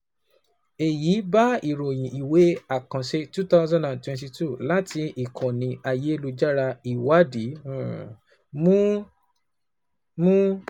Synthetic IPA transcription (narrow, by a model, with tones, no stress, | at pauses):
e˨ji˨˦ba˦i˨ɾo˨j̃ĩ˨i˨we˨˦a˨kã˨ʃe˦tu˦ta˦ʊzã˦dã˨ntwɛ̃˨nti˧tu˦˨la˦ti˧i˨kʰɔ̃˨nĩ˧˦a˧je˨˦lu˧d͡ʒa˦ɾa˧i˨wa˨˦di˨˦˨ | mũ˦ | mũ˦